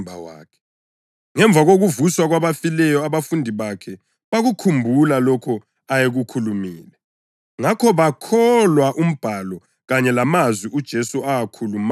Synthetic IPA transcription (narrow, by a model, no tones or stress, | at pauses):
bʱawa̰ːkʰɛ̥ | ŋɛɱb̪vʱaɣoɣuvuswaɣwaβafilɛjɔaβafundʱiβakʰɛ | βaɣukʰumbʱulalɔkʰɔ | ajeɣukʰulumḭːlɛ | ŋakʰɔβakʰɔlwaʔum̩b̥ʱalɔ | ɣaɲɛlamazwiʔud̥ʒ̥ʱesuaakʰulum